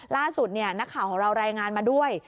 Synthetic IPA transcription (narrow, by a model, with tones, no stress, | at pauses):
laː˥˩su˨˩t̪̚ni˥˩ɐna˦˥kʰːaː˨˩˦wkʰɔː˨˩˦ɾa˧wɾaː˧jŋaː˧nmaː˧du˥˩əj